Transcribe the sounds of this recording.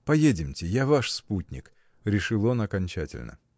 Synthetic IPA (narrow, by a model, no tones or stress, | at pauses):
pɐjedʲɪmtʲɪjavaʂsputʲnʲɪ̰k | ɾʲɪʂɨlˠonɐkɐnʲt͡ɕætʲɪ̰lʲnə̰